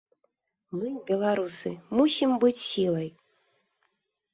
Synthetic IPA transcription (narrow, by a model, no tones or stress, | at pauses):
mɨbʲelˠaɾusɨ̰musʲimbɨt͡sʲsilˠɐj